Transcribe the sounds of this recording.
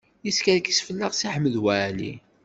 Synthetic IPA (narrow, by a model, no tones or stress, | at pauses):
jiskæðkisfəlːæʁsiħəmːəðwælḭ